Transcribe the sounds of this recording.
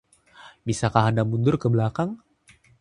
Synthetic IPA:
bisakaɦandamundʊrkəbəlakaŋ

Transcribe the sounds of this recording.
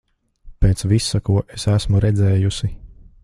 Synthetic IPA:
peːt̪sʋisːakuɔʔesæsmuɾɛd̪zɛːjusi

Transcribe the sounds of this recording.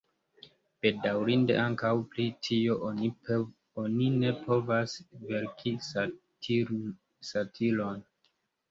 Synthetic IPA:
b̥e̞dawɾinde̞̰ʔaŋkawplitʰio̞ʔ | onine̞pʰo̞vasveɾkʰi | satʰilo̞n

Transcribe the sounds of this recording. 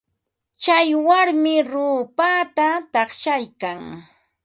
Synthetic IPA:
t͡ʃajwaɾmɪɾʊːpaːt̪at̪ɑχʃajkaŋ

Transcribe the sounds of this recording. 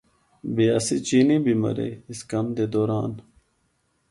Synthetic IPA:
beːasit͡ɕiːnibimɐ̰ɾḛːiskɐmd̪ed̪oːɾaːn

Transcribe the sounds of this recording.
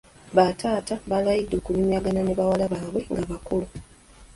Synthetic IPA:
βatʰaːtaβalajidːo̞ːkulimjaːɡananeβawalaβaːβwe̞ŋɡaβakulu

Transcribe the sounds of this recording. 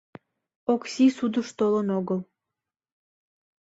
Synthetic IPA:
oksisud̪əʃt̪olənoɣəl

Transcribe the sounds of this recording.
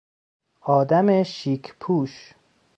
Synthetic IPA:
ʔɒːd̪æmeʃiːkʰpʰuːʃ

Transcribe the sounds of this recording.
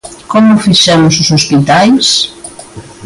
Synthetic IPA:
kɔmʊfiʃɛmʊsʊsospit̪ajs

